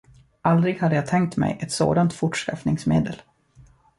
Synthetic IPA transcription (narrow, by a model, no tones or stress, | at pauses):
ʔald̪ɾɪɡhad̪ːəjat̪ʰɛŋk̚t̪mɛ̰jʔɛt̪so̰ːd̪ant̪fʊʈʂka̰fnɪŋsmḛːd̪əl